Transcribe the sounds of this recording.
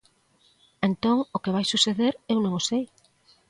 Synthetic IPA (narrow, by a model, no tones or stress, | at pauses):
ent̪oŋokeβajsuseðeɾewnõŋosej